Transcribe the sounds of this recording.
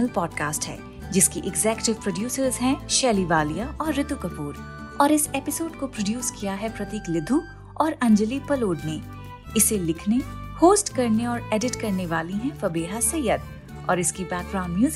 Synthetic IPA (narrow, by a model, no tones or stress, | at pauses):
əlpɔːɖkaːsʈɦɛ̰ː | d͡ʒɪskiʔɪɡzɛːkʈɪʋpɾoɖjuːsəɾzɦɛ̃ʃɛːliʋaːlijaʔɔːɾːɪd̪ukɐpuːɾ | ɔːɾɪsepɪsoːɖkopɾoɖjuːskijaɦɛpɾɐt̪iːklɪd̪ʱu | ɔːɾɐ̃ɲd͡ʒəlipɐloːɖne | ɪselɪkʰnehoːsʈkɐɾneɔːɾeːɖɪʈkɐɾneʋaːliɦɛ̃fɐbeːɦasɐjəd̪̚ | ɔ̰ːɾɪskibɛːk̚ɡɾaːʊ̃mjuːz